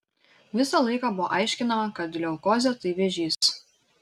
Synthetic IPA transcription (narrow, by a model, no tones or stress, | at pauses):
ʋʲɪsɐlˠɐɪkɑbʊʋo̰ʔɐɪʃʲkʲɪnɐmɐkɐt̪ʲlʲɛʊkoːzʲɛt̪ɐɪʋʲɛʒʲiːs